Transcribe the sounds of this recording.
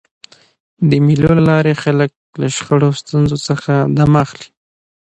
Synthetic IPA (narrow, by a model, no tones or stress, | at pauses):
d̪əmilolalɑɾexalək̚laʃxəɽost̪unzosəxad̪amaxli̥